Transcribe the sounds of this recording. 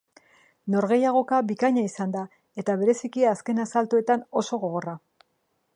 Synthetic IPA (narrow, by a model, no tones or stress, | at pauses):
no̞ɾɣe̞jaɣ̞o̞kabikaɲaisand̪a | e̞t̪aβ̞e̞ɾe̞sikiaske̞nasalt̪oe̞t̪ano̞so̞ɣo̞ɣ̞o̞ra